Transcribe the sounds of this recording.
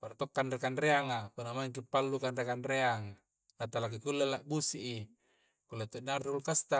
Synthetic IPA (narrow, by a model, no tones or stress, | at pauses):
part̪okːanrekanreaŋapunamaiŋkipːalːukanrekanreaŋ | nat̪alak̬ikulːelaʔbusiʔi | kulːat̪onarulkast̪a